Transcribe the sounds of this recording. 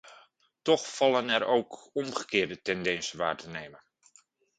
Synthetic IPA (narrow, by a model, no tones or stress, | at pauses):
tɔχfɑlənɛɾowkɔmχəkɪːɹdətɛndɛnsəʋa̰ːɹtənejmən